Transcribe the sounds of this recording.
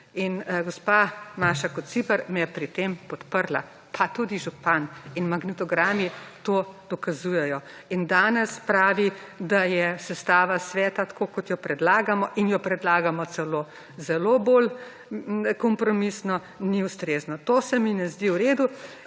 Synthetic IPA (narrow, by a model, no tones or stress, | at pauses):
inɡɔspamaːʃakɔt̪sipəɾmɛjɛpɾit̪empɔt̪pəɾla̰ | pʰat̪ud̪iʒupaninmaɡnɛt̪ɔɡɾaːmit̪oːd̪̥ɔkazujɛjɔ | ind̪aːnɛspɾaːʋi | d̪ajɛsɛst̪aːʋasʋɛːt̪at̪ḁkokɔt̪jɔpɾɛd̪laːɡamɔʔinjɔpɾɛd̪laːɡamɔt̪sɛloː | zɛloboːl | kɔmpɾɔmisnɔ | niust̪ɾeːznɔt̪oːsɛminɛzd̪iwɾeːd̪u